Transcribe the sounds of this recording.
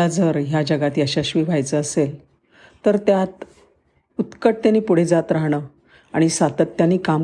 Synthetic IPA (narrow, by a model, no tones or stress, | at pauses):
ad͡zəɾjad͡ʑəɡat̪jaɕaɕʋiːbʱajt͡səːsel | t̪əɾt̪jat̪ | ut̪kəʈ̚t̪janiːpuɽ̤ed͡zat̪ɾaɦɽ̃ə | aɽ̃isat̪ət̪ːjaniːkam